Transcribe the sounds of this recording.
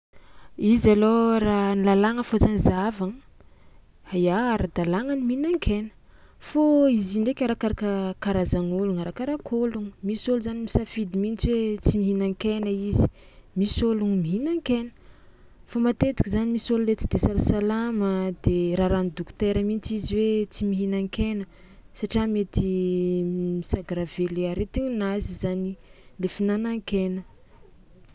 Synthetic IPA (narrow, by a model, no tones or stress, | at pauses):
izaloranilalaŋəfot͡sanzavaŋə | ajaaɾad̪alaŋaniminaŋkʰenə̥ | foiziɳɖ͡ʐekʲaɾakaɾakəkaɾazaŋoluŋaɾakaɾakʰoluŋmisoluzanimisafid̪imint͡swet͡simiɦinaŋkenəizi̥ | misoluŋmiɦinaŋkenə̥ | famat̪et̪i̥kʲizanimisolulet͡si̥d̪esalasalaməd̪eɾaɾanid̪ukt̪eɾəmint͡siziwet͡simiɦinaŋkenə | saʈ͡ʂiamet̪i | misaɡaɾaveleaɾet̪iŋnazizanilefinanaŋkenə